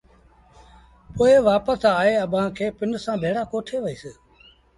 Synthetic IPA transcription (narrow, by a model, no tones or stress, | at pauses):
poːeʋaːpəsaːɦeːəɓʱãːkʰeːpɪnsãːbʱeːɽaːkoːʈʰeːʋəiːsɪː